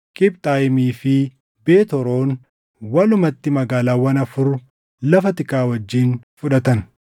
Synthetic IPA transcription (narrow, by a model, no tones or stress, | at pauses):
kʼɪb̚t̪ʼaːjɪmiːfɪ | be̞ːt̪ɔɾo̞ːn | wɐlʊmɐt̪ːɪmɐɡaːlaːwɐnɐfʊɾʊ | lɐfɐt̪ɪkaːwɐd͡ʒːiːn | fʊᶑɐt̪ɐn